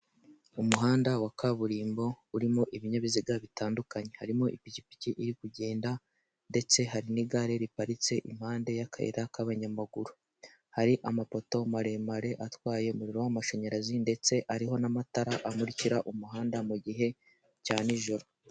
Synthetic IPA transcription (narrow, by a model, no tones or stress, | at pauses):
umuɦaːndawakʰaβuɾiːmbo̞ | uɾimo̞ʔiβiɲaβiziɡaβitaːndukaɲe̞haɾimo̞ʔipicipi̥ciʔiɾikuɟe̞ːnda | nde̞t͡se̞ɦaɾiniɡaɾe̞ɾipaɾit͡se̞ʔḭm̥haːnde̞jakʰaḛɾakaβaɲamaɡuɾu | haɾiʔamapo̞to̞maɾe̞maɾe̞ʔatwaːje̞umuɾiɾo̞wamaʃo̞ɲeɾazinde̞t͡se̞ʔaɾiɦo̞namataɾaʔamuɾiciɾaʔumuɦaːndamuɟiɦe̞ | caːniʒo̞ɾo̞